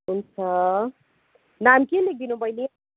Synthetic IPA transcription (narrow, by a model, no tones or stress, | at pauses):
unt͡sʰʌ | namkelek̚d̪inũbʱʌjni